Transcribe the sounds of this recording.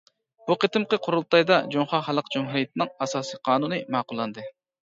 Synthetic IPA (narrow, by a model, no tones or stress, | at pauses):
b̥uqʰət̪ɨmqəqʰoɾulˠt̪ɑjd̪ɑd͡ʒoɴχɑχælˠəqd͡ʒumɦuɾijet̪ʰɪnɪŋɑsɑːsiqʰɑːnunɨmɑːqʊlˠːɑnd̪ɨ